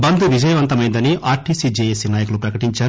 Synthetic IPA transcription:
bɐnd̪uʋid͡ʒɐjɐʋɐnt̪ɐmɐjind̪ɐniʔaːɾʈiːsid͡ʒeːjesinaːjɐkulupɾɐkɐʈiɲt͡ʃaːɾ

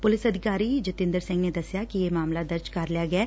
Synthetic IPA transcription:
pʊlɪsɐd̪ʱɪkaːɾid͡ʒɪt̪ɪ̃nd̪əɾsɪ̃ŋɡned̪ɐsjakijemaːmlad̪əɾd͡ʒkɐɾlijaɡɐɛː

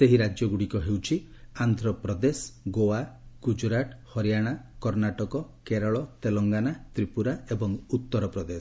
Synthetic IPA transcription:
seɦiɾad͡ʒjɔɡuɽikɔɦewt͡ʃʰi | and̪ʱɾɔpɾɔd̪esɡowaɡ̥ud͡ʒɾaʈhɔɾijaɽ̃akɔɾnaʈɔkɔkeɾɔɭɔt̪elɔŋɡanat̪ɾipuɾaebɔŋut̪ːɔɾɔpɾɔd̪es

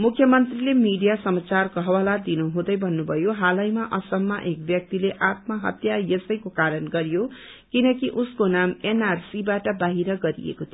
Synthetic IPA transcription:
mukʰjʌmʌnt̪rilemiɖijasʌmat͡sarkʌɦʌwalad̪inuɦũd̪ʌjbʱʌnːubʱʌjoɦalʌjmaʔʌsʌmːaʔek̚bjʌk̚t̪ileʔat̪̚maɦʌ̰t̪jajʌsʌjkokaɾʌnɡʌɾijo | kinʌkiʔuskonamenarsibaʈʌbaɦiɾʌɡʌɾḭḛkot̪ʰio

